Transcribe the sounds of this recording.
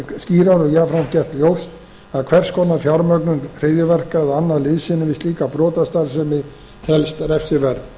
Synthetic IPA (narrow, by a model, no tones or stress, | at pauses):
sciːɾaɾɔɣjaːfɾancɛr̥t̪ljowst̪ | aðkʰvɛr̥skʰɔnːafjawɾmœknʏnr̥ɪːðɪvɛr̥kaðanːaðlɪðsɪnːɪvɪst̪liːkapɾɔːt̪ast̪aɾsɛmɪ | hɛlst̪rɛfsɪɾvɛɾð